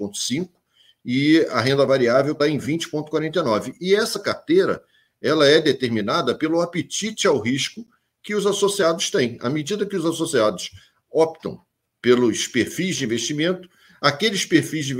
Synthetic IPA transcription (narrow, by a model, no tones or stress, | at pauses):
õt̪ʊ̥sĩkʊ | ɪɐɦẽnd̪ɐvaɾiavewt̪aẽj̃vĩnt͡ʃɪ̥põt̪ʊ̥kwaɾẽnt̪ejnɔvɪʔɪɛsɐkaɾt̪ejɾɐ̰ | ɛlɐɛd̪et̪eɾminad̪ɐpelʊapet͡ʃit͡ʃɪawɦiʃkʊ | kɪʊzasosiad̪ʊst̪ẽj̃a̰med͡ʒid̪ɐkɪʊzasosiad̪ʊs | ɔp̚t̪ɐ̰̃w̃ | pelʊspeɾfijzd͡ʒɪĩveʃt͡ʃimẽnt̪ʊ̥ | akelɪspeɾfizd͡ʒɪĩ